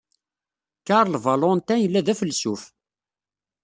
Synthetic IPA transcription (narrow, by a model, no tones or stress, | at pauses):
kaɾˤlvalont̪ænjəlːæðæfəlsuf